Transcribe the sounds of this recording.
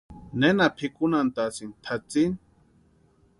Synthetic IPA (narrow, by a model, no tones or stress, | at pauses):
nenapʰikunant̪asint̪ʰat͡sin